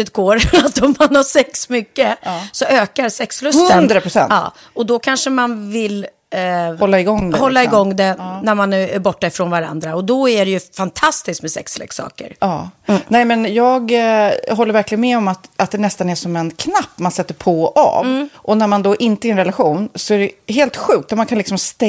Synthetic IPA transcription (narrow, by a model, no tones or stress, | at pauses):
ʉt̪̚ɡ̥oːɾat̪ɔmːanhaʂɛksmʏkːəsɔøːkaɾsɛkslɵshɵtɵənd̪ɾapɾʊsɛ̰ntɑ̰ː | ɔd̪ɔkʰanʂəmanvɪl | hɔlːaɪɡɔŋːd̪hɔlːaɪɡɔŋːd̪ɛnæɾmanæɾbɔʈːaɪfɾɔnvaɾa̰nd̪ɾaɔd̪ɔæɖɛjɵfant̪ʰast̪ɪsk̪mɛsɛ̰kslɛ̰ksɑ̰ːkə̰ɾɑːnɛːɪmɛnjɑːɡɦɔlːəɾvæɾklɪɡənmɛɔmat̪ʔat̪̚d̪ɛnɛst̪anæʂɔmɛnkʰnapːmansɛt̪ːəɾpʰɔʔa̰ːvʔɔnæɾmand̪ɔʔɪnt̪əɾɛnɾɛlaɧuːnsɔæɖɛɦeːlt̪ɧʉ̟ːk̚t̪at̪mankʰanlɪksɔmst̪ɛ